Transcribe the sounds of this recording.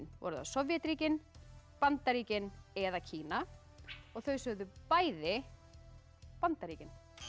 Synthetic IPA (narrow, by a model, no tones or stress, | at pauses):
nvɔ̰ɾʏða̰sɔvjɛt̪ɾiːcɪnpant̪aɾiːcɪnɛðacʰiːna | ɔɣθœɥsœɣðʏpaːjðɪ | pant̪aɾiːcɪn